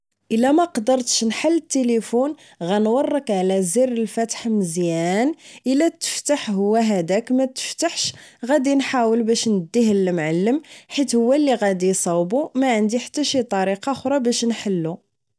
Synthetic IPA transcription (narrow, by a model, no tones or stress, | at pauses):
ʔəlːæmæqd̪əɾˤt̪ʃnħəlːət̪ːelifun | ɣænwɑrˤːəkʕlæzirəlfæt̪ħməzjænʔəlæt̪ːə̥ft̪aħɦʊwːæɦæd̪ækmæt̪ə̥ft̪aħʃɣæd̪inħawəlbæʃnəd̪ːihəlːmʕalːəmħit̪hʊwːælːiɣæd̪isˤɑwbumæʕənd̪iħḁt̪ːæʃit̪ˤɑɾiqɑxɾˤɑbæʃnħəlːu